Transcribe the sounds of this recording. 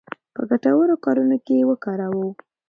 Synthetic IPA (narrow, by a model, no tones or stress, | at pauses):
pəɡaʈawəɾokɑɾunokewəkɑɾawə